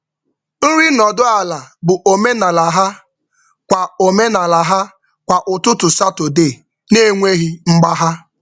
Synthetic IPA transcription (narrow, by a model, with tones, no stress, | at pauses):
n̩˦ɾi˦nɔ˨dʊ˦a˨la˨bʊ˨ʔo˨me˦na˨la˨ɦa˦ | kʷa˨o˨me˦na˨la˨ɦa˦ | kʷa˨ʔʊ˨tʊ˦tʊ˨sa˦to˨de˦˨ | ne˦˨ŋʷe˦ɦi˦ŋ͡m̩˦ɡ͡ba˦ɦa˦